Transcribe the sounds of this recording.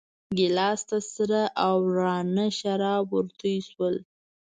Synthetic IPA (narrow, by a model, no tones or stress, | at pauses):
ɡɪlɑst̪asəɾaʔawɾɑnaʃaɾɑbuɾt̪əjswəl